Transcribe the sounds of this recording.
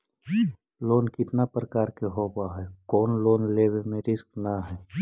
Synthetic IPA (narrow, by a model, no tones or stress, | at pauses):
loːnkɪt̪napɾəkaːɾkeɦoːbaɦɛkɔːnloːnleːwemẽɾɪsknaɦɛː